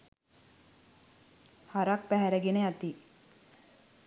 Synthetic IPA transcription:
haɾak̚pæɦæɾəɡeneat̪i

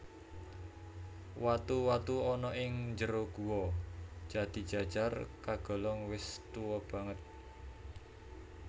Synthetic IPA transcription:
wat̪uwat̪uɔnɔʔɪŋɲd͡ʒəɾoɡ̥uwɔ̥ʒ̥a̤d̪̥i̤̥d͡ʒ̥a̤d̥ʒ̥arkaɡ̥ɔ̤lɔŋwɪst̪uwɔb̥ä̤ŋət̪̚

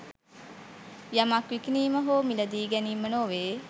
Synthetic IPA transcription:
jamakʋikiniːməɦoːmiləd̪iːɡɛniːmənoːʋeː

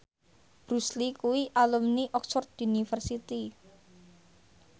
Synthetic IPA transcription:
b̥ɾuslikuwiʔalumniʔɔksɔrt̪unifərsit̪i

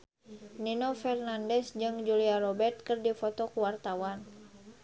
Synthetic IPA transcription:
ninɔfɛrnandɛsd͡ʒɨŋd͡ʒuliaɾɔbɛrt̪̚kɨrdifɔt̪ɔkuwart̪awan

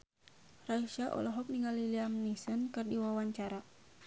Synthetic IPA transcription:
raiʃaʔɔ̰lɔɦɔk̚niŋɡaliliamnisənkɨrdiwawaɲt͡ʃaɾa

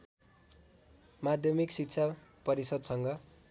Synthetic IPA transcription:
mad̪ʱjʌmiksikt͡sʰapʌɾisʌd̪sʌŋɡʌ

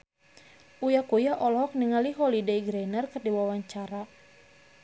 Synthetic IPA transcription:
ʔujakujaʔɔlɔɦɔk̚niŋaliɦɔlideiɡɾɛnərkɨrdiwawaɲt͡ʃaɾa

